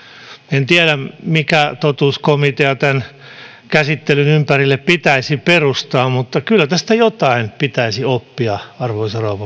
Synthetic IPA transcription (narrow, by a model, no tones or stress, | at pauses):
ent̪iælæmikæt̪ot̪uːskomit̪eɑt̪æn | kæsit̪ːelynympærilːeppit̪æisiperust̪ɑːmut̪ːɑkylːæt̪æst̪æjot̪ɑinpit̪æisiopːiɑɑrʋoisɑrɑuʋɑ